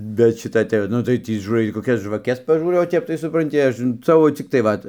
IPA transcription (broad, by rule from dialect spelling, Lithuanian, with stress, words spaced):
bʲɛt ˈʃʲɪtɐ tɐɪ ˈnʊ tɐɪ ˈtʲiː ʒuːˈrɐɪ koːˈkʲɛs ʒʋɐˈkʲɛs pɐˈʒuːrɐʊ oː ˈtʲɛp tɐɪ sʊprɐnʲˈtʲɪ ˈɐʃ ˈsɑːʋoː t͡sʲɪkˈtɐɪ ˈʋɐt